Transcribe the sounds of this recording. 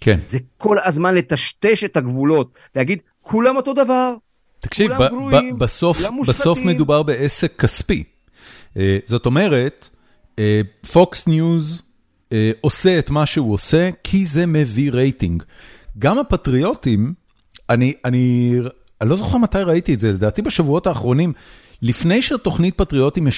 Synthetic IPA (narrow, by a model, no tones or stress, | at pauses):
kʰḛnzekolazmanlet̪aʃt̪eʃethaɡvulo̞t̪̚ | lehaɡid̪ | kʰulamoto̞d̪avaʁ | t̪ḁkʃivabaso̞fmbaso̞fme̞dubaʁbe̞ʔese̞kʰːaspḭ | ezo̞to̞me̞ʁe̞t | efo̞ksnjuz | eo̞se̞etmaʃeuose̞kʰize̞me̞viʁe̞jtiŋɡɡamapatʁio̞tim | aniani | alo̞zo̞χeʁmatajʁaitietzele̞daːtibeʃavuo̞taːχʁo̞nimlifne̞jʃeato̞χnit̚patʁio̞timje